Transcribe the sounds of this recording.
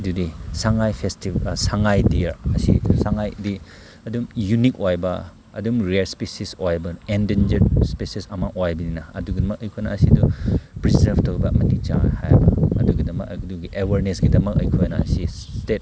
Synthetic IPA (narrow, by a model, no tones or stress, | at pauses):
dudisaŋajpʰestibsaŋajdiɾɐsḭsaŋajdi | ɐdumjunik̚ojbɐ | ɐ̰dumɾielspesisojbɐendend͡ʒeɾspesisɐmɐʔojbininɐɐduɡidɐmɐkɐjkʰojnɐɐsidupɾizɐɾbtɐwbɐɐ̰mɐtit͡ʃa̰hajbɐɐduɡidɐmɐkduɡiʔeweɾnesɡidɐmɐk̚ɐ̰jkʰojnɐ̰ɐ̰si | stet̚